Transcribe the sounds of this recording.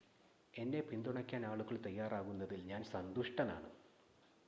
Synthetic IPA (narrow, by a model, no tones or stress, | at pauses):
e̞nːe̞pind̪uɳɐkʲːaːnaːɭuɣɐɭt̪ɐjːaːraːɣunːɐðilɲaːnsɐnd̪uʂʈɐnaːɳɨ